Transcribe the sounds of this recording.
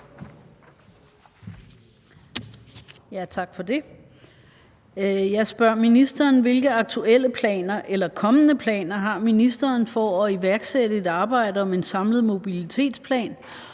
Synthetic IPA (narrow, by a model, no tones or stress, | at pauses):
jæt͡sʰɑ̈ɡ̥fɒ̽d̥e̝ | jɑ̈ɪsb̥ɶɐ̰minisd̥ɐːnʋe̝lɡ̥əɑ̈ɡ̥̚t͡sʰuel̰əpʰlɛ̰ːnɐʔelɐkʰɒ̽mənəpʰlɛ̰ːnɐɦɑ̈minisd̥ɐːnfɒɒ̽iʋæɐɡ̥seɾəe̝d̥ɑ̈ːb̥ɑ̈ɪ̰dəɒ̽me̝nsɑ̈mləð̞̩ˠmo̝b̥ilit͡sʰe̝̰ːd̥spʰlɛ̰ːn